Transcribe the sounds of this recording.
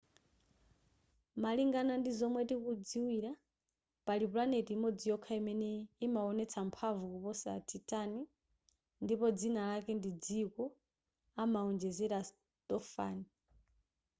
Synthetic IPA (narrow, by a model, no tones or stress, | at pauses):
maliŋɡanandizɔmwɛtikud͡ziwiɾa | palip̬lanetiːmɔd͡zijɔkʰaimɛnɛimaɔnɛt͡sʰampʰavukupɔsa̰tʰitʼani | ndipɔd͡zinalakɛndid͡zikɔ | amaɔnd͡ʒɛzɛɾas | t̪ʼɔfa̰ːni